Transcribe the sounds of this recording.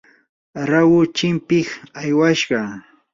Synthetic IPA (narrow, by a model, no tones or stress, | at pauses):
ɾawʊt͡ʃɪmpɪkajwaʃɢɑ